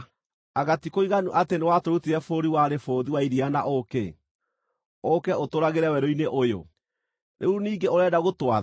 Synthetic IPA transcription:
aɣatikoiɣanuʔatenewatoɾutiɾɛfoɾiwaɾefoːðiwaiɾianaʔokḛ | okɛotoɾaɣeɾɛwɛɾoineʔojo̰ | nʔeuniːɡeoɾɛdaɣotwa

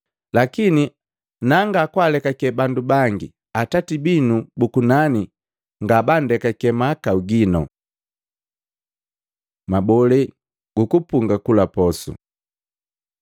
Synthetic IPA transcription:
lakini | naŋɡakwalɛkakɛbandubaŋɡi | atatibinubukunani | ŋɡabandɛkakɛmakauɡinɔ | mabɔlɛ | ɡ̥ukupuŋɡakulapɔsṵ

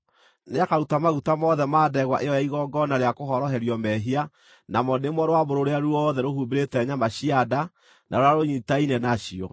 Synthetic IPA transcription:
neakaɾutamaɣutamɔðɛmaːdɛɣwa̰ʔeɔjaiɣɔɡɔnaɾeakohɔɾɔɦɛɾiɔmɛɦia | namɔnemwɔɾowaboɾoɾeaɾuɔðɛɾohubeɾetɛɲamaɕiada | naɾojaɾoɲitainɛnaɕiɔ̰

